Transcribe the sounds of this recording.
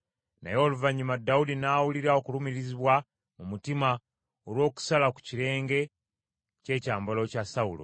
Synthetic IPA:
na̰jo̞ːluvaɲːumadːaudinaːwuliɾao̞kulumiɾiziβwa | mumutima | olwo̞ːku̥salaku̥ciɾe̞ːŋɡe̞ | ce̞ːcaːmbolo̞casaulo̰

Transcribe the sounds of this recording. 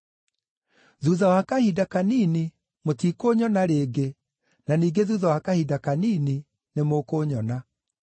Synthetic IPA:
ðuðawakahidakaniːni | motiːkoɲɔnaɾeɡe | naniːɡeðuːðawakahidakaniːni | nemokoɲɔna

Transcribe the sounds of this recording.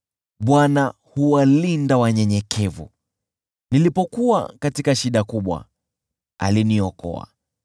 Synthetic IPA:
ɓwana | huwalindawaɲɛɲɛkʰɛvṵ | nilipɔkuwa̰katikaʃiɗakuɓwa̰ | a̰liniɔkɔ̰a̰

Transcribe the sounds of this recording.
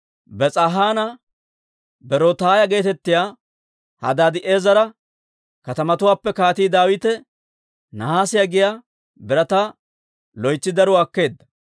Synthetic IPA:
bɛt͡sʼɐɦaːnɐ | bɛɾɔt̪aːjɐɡe̞ːt̪ɛt̪ːɪjaː | hɐ̰d̪aːd̪ɪʔe̞ːzɐɾɐ | kɐt̪ɐmɐt̪ʊwaːpːɛkaːt̪iːd̪aːwɪt̪ɛ | nɐhaːsɪjaɡɪjaː | bɛɾɐt̪a | lɔjt͡sːɪd̪ɐɾʊakːe̞ːd̪ːɐ̥

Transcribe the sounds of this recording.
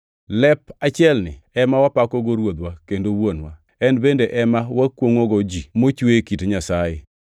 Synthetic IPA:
lɛpat͡ʃɪɛlnɪ̰ɛmawapakɔɡoɾwod̪wakendowonwa | ɛnbendeʔɛmawakwoŋoɡɔd͡ʒimot͡ʃwekitɲasaje

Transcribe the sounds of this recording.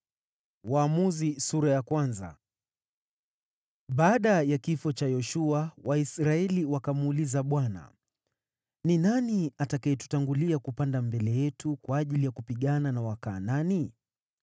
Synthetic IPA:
waːmuzisuɾajakwanza̰ | ɓaːɗajakifɔt͡ʃajɔʃuawaisɾaɛliwakamuːlizaɓwana̰ | ninaniatakaɛtu̥taŋɡuliakupandambɛlɛjɛtukwaːʄilijakupiɠananawaka̰ːnani

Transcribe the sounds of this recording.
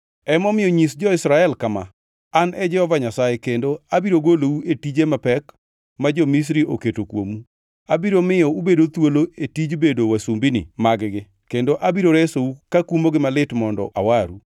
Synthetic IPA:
ɛmɔmɪjɔɲisd͡ʒɔɪsɾaɛlkama | anɛd͡ʒɛhɔvaɲasajekendoabiɾoɡolouetid͡ʒemapɛk | mad͡ʒɔmis̬ɾiʔoketokwo̰mu | abiɾomɪjɔubedot̪woloetid͡ʒbedowasumbinɪ̰maɡɡɪ | kendoʔabiɾoɾesoukakumoɡɪmalɪtmɔndɔ̰a̰waɾṵ

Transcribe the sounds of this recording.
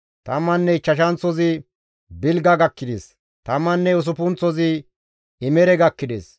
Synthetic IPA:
t̪ɐmːɐnːɛt͡ʃːɐʃ̬ɐnt͡sɔzɪ | bɪlɡɐɡɐkːɪd̪ḛs | t̪ɐmːɐnːɛʊs̬ʊpʊnt͡sːɔzɪ | ɪmɛɾɛɡɐkːɪd̪ḛːs

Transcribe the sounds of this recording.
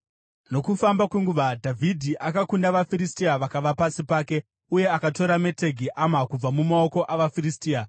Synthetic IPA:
no̞kufambakweŋɡuʋadʱavʱidʱiʔakakundaʋafiɾistiaʋakaʋapasipaːke̞ | uje̞akato̞ɾame̞te̞ɡʱiʔamakub͡vamumao̞ko̞ʔaʋafiristiːa

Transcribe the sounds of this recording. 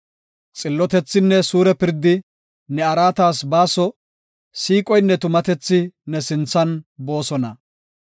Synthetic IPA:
t͡sʼɪlːɔt̪ɛt͡sːɪnːɛsuːɾɛpɪɾd̪ɪ | nɛɐɾaːt̪aːsbaːsɔ | siːkʼɔjnːɛt̪ʊmɐt̪ɛt͡sːɪnɛsɪnt͡sːɐnbo̞ːsɔnɐ

